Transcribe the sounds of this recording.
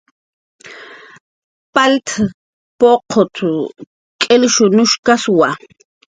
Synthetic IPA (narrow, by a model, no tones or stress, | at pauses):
palt̪ʰ | poqʰot̪ʰu | kʼelʃʊnʊʃkaswa